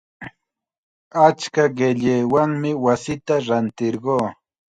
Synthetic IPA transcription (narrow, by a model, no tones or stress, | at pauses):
at͡ʃkaɢeʎeːwaŋmɪwasɪt̪aɾant̪ɪɾɢoː